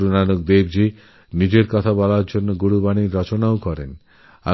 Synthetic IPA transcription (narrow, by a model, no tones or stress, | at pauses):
ɾunanuk̚d̪ebd͡ʑi | nid͡ʑeɾkɔt̪ʰabɔlaɾd͡ʑonːoɡuɽubaniɾɔt͡ɕonaokɔɾen | a̰